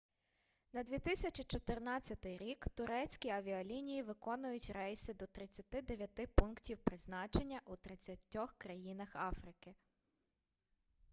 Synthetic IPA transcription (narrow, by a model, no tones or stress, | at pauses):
nɐd̪ʲʋʲit̪ɪsʲɐt͡ʃʲit͡ʃɔt̪ɪrnɑt͡sʲːɐt̪ɪjɾʲikt̪ʊɾɛt͡sʲkʲiɐʋʲiɔlʲinʲijiʋɪkɔnʊjʊtʲrɛjsɪd̪ɔt̪ɾɪt͡sʲːɐt̪ɪd̪eʋʲjɐt̪ɪpunktʲiwpɾɪznɑt͡ʃe̞nʲːɐʔut̪ɾɪt͡sʲːɐtʲːɔxkɾɐjinɐxɑfɾɪkɪ